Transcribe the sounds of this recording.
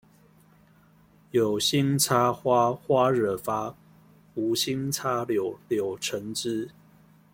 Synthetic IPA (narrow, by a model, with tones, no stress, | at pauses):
jo˨˩ʊɕi˦ŋt͡sʰa˦xwa˦xwa˦˥ɻə˨˩fa˦ | u˨˦ɕi˦ŋt͡sʰa˦ljo˨ljo˨˩ʊʈ͡ʂʰə˨˦ŋʈ͡ʂɻ̩˦